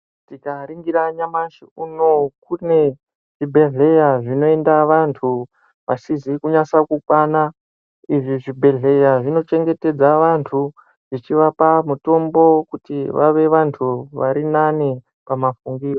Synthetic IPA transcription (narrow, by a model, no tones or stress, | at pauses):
tikaɾiŋɡiɾaɲamaʃiunokune̞ | ʐ̥ibʱe̞ɮe̞jaʐino̞e̞ndaʋantʰu | ʋasizikuɲasakukwana | iʐiʐibʱe̞ɮe̞jaʐino̞t͡ʃe̞ŋɡe̞te̞d͡zaʋantʰu | ʐ̥it͡ʃiʋapamuto̞mbo̞kutiʋa̰ʋe̞ʋantʰuʋa̰ɾinani | pamafuŋɡiːro